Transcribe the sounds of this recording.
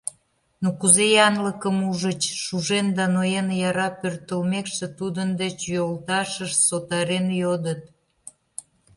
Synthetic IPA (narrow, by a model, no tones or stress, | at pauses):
nokuzejɑnləkəmuʒət͡ɕʃuʒend̪ɑnojenjɑɾɑpørt̪əlmekʃĕt̪ud̪ənd̪et͡ɕjolt̪ɑʃəʃsot̪ɑɾenjod̪ət̪